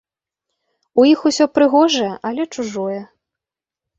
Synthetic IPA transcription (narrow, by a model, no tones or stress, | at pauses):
ujixusʲɔpɾɨɣɔʐɐjɛʔɐlʲɛt͡ʂuʐɔjɛ